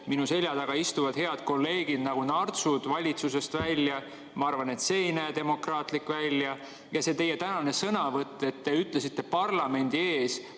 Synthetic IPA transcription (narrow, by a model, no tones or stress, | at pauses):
minuse̞lʲjɑd̪ɑɡ̥ɑist̪uvɑd̪̥he̞ɑd̪̥ko̞lːe̞ːɡ̥id̪̥nɑɡ̥unɑrt̪sud̪̥vɑlʲit̪suse̞st̪vælʲjɑ | mɑɑrvɑne̞t̪se̞jnæd̪̥e̞mo̞krɑːt̪likːˑvælʲjɑ | jɑse̞t̪e̞jet̪ænɑne̞sɤnɑvɤt̪ˑːe̞t̪ːe̞yt̪ˑle̞sit̪ːe̞pɑrlɑme̞nʲd̪̥ie̞ːs